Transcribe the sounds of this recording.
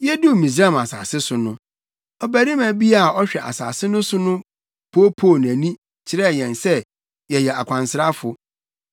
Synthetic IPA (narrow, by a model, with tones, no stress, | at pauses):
jɛ˦du˦mĩ˨s̬ɾa˦˨ma˨sa̰ː˨sɪ˦sʊ˨nʊ̃˦ | ɔ˨bæ˨ɾi˦mæ̃˨bi˦a˦˨ɔ˦ɕᶣɛ˨ʔa̰˨sa̰ː˨sɪ˦nʊ̃˦sʊ˦nʊ̃˦ | pʰo˦pʰo˦˨n˨æ̃˨nĩ˦ | t͡ɕʰɪ˨ɾɛ˦˨jɛ̃˨nsɛ˦ | jɛ˨jɛ˨a˨kʷʰã˨nsɪ˨ɾa˦fʊ˨